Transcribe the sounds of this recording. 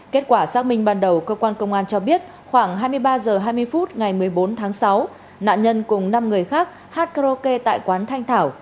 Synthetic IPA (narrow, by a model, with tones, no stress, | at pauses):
ke˦˥t̚kwaː˧˩saː˦˥k̚mï˧ŋ̟ɓaː˧nɗə˨˩wkəː˧kwaː˧nkə˧wŋ͡mʔaː˧nt͡ɕɔ˧ɓi˦˥ət̚ | xwaː˧˩ŋɦaː˧jmɨ˧əjɓaː˧zəː˨˩ɦaː˧jmɨ˧əjfu˦˥t̚ŋa˨˩jmɨ˨˩əjɓo˨˦nt̪ʰaː˨˦ŋsa˨˦w | na̰ː˧˨nɲə˧nkʊ˨˩ŋ͡mna˧mŋɨ˨˩əjxaː˦˥k̚ | haː˦˥t̚ka˧zo˧ke˧t̪a̰ː˧˨jkwaː˨˦nt̪ʰa˧jŋt̪ʰaː˧˩w